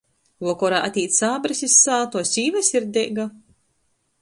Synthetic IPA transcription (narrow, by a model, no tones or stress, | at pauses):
vɔːkɔɾaːʔat̪ʲiːt̪saːbɾisisːaːt̪ɔsʲiːvasʲiɾd̪ʲeɡa